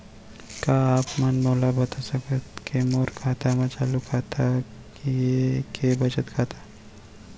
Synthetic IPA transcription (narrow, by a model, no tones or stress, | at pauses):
kaaːpmɐnmoːlabɐt̪asɐkət̪kʰemoːɾkʰaːt̪ʰamãt͡ʃaːlukʰat̪ʰakijekebɐt͡ʃət̪kʰaːt̪ʰḁ